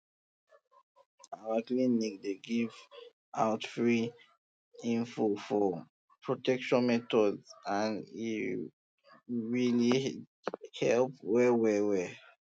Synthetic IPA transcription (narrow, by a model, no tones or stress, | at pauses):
awaklĩnːik̚deɡiv | aʊtfɹi | ĩnfofɔ | pʰɹotɛkʃɔ̃nmɛtɔdzãnḭ | ɹili | hɛlpwɛwɛwɛ